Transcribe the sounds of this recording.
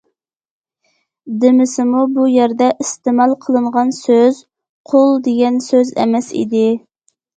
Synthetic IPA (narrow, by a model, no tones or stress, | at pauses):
d̪ɪmɪsɪmubujɛɾd̪ɛʔist̪ɪmɛlˠqʰəlˠɨɴʁɑnsøz̥ | qʰolˠd̪eɡʲɛnsøzɛ̰mɛsḭd̪ɪ